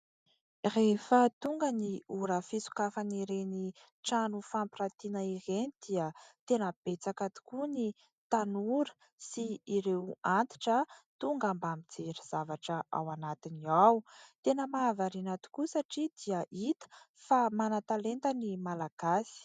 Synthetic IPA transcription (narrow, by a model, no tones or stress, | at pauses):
refət̪uŋɡəniuɾəfisu̥kafaniɾeni | ʈ͡ʂanufampiɾat̪inəiɾenid̪̥iət̪enəb̥et͡sakat̪u̥kuni | t̪anuɾə̥ | siːɾewant̪i̥ʈ͡ʂət̪uŋɡambamid͡zeɾiz̥avaʈ͡ʂəa̰wanat̪iniawt̪enəmaːvaɾinat̪u̥kusaʈ͡ʂid̪̥iəʔit̪ə̥ | famanat̪alent̪ənimalaɡ̥asi̥